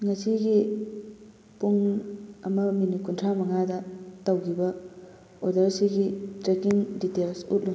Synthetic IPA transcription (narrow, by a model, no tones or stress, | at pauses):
ŋɐsiɡi | puŋɐmɐminikuntʰɾamɐŋadɐtawɡibɐ | odɐɾsiɡitɾekiŋditelsut̚lu